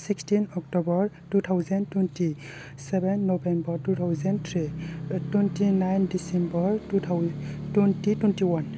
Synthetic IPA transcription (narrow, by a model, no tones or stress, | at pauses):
sikstinɔk̚tɔbɔɹ | tut̪ʰawzɛntwɛnti | sɛbɛnːɔbɛmbɔɹtut̪ʰawzɛntʰɹitwɛntinajndisɛmbɔɹutɛntitwɛntiwan